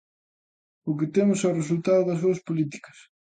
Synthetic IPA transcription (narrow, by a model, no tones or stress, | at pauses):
ʊk̬ɪt̪emʊsɛʊres̬ult̪aðʊðɐsuɐspolit̪i̥kɐ̥s